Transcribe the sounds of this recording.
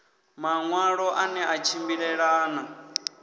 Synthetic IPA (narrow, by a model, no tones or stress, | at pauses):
maŋwaɺɔʔanɛʔat͡ʃʰimbiɺɛɺaːna